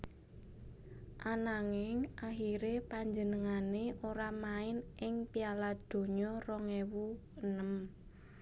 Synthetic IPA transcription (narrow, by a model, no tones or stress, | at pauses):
ʔanaŋɪŋʔaxiɾepaɲd͡ʒənəŋaneʔoɾamaɪnʔɪŋpialad̪̥o̤ɲɔrɔŋewuwənəm